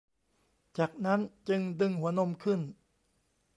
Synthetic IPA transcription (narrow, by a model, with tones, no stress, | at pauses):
t͡ɕaː˨˩k̚na˦˥nt͡ɕɯ˧ŋdɯ˧ŋɦu˩˦ɐno˧mkʰɯ˥˩n